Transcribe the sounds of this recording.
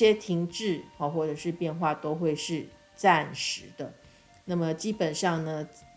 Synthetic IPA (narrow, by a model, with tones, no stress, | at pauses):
jɛ˥t̪ʰi˧˥ŋʈ͡ʂɻ̩˥˩ɔ˩xwɔ˥˩ʈ͡ʂə˨˩ʂɻ̩˥˧pjɛ˥˧nxwa˥˩t̪o˥ʊxwe˥˧ɪʂɻ̩˥˩ | t͡sa˥˩nʂɻ̩˨˧˦d̪ə˧ | na˥˩mə˩t͡ɕi˥pə˨˩nʂɑ˥˩ŋnə˩